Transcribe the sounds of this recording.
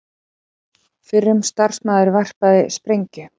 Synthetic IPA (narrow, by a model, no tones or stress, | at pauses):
fɪrːʏmst̪ar̥smaːðʏɾvar̥paðɪspɾejɲcʏ